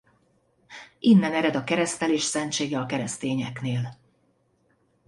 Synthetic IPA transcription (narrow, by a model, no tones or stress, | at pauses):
ʔinːɛnɛɾɛd̪ɒkɛɾɛst̪ɛleːʃsɛnt͡ʃeːɡɛɒkɛɾɛst̪eːɲɛkneːl